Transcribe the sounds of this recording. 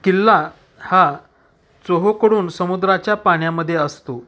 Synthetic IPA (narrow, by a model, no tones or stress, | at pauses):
kilːa | ha | t͡soɦokəɽuːnsəmud̪ɾat͡ɕjapaɽ̃jaməd̪ʱːjeəst̪o